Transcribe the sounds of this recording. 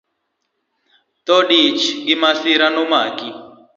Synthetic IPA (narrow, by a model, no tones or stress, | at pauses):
t̪ɔɖit͡ʃɡimasiɾanumaːki